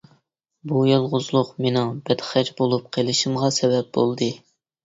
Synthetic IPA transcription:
bujɑlˠʁʊzlˠʊqmenɪŋbɛd̪χæd͡ʒbolˠup̚qʰelˠɨʃimʁɑsɛvɛp̚b̥olˠd̪ɨ

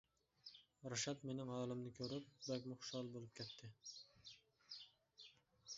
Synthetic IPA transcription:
ɾaʃat̪menɪmɑːlˠɨmnɪkʲʰɵɾɪp̚bakʲmʊχʃɑlˠbolˠɨp̚kʲʰɛt̪ʰːɪ

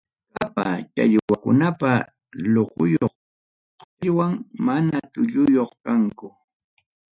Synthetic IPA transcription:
kapat͡ʃa̰ʎwakʊnapa | loqʊjoχ | qʎwaŋmanat̪ʊʎʊjoχkaŋkʊ

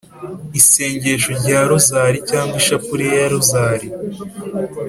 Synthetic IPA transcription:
ise̞ːɲɟe̞ʃoɾɟaːɾuzaːɾicaːŋɡwiʃapuɾijaɾuzaːɾi

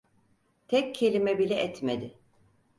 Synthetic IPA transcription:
t̪ʰɛccʰːe̞lʲimɛbilʲɛʔɛt̪med̪ɪ

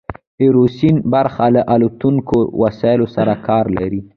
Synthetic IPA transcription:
ɪɾosinbaɾxalaʔalut̪uŋkowasɑɪlosaɾakɑɾlaɾi

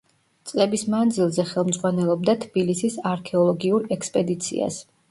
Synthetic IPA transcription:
t̪sʼlɛbismand̪zilˠzɛχɛlˠmd̪zʁwanɛlˠɔb̚d̪at̪ʰb̥ilisisaɾkʰɛɔlˠɔɡiuɾɛkspʼɛd̪it̪sʰḭa̰s

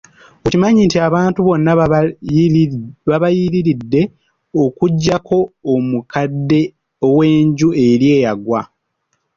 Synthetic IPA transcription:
oimaɲintiaβaːntuβo̞nːa | βaβajiɾiɾidːe̞ | okuɟːakʰo̞ːmukadːe̞ | owe̞ːɲɟue̞ɾje̞ːjaɡwa

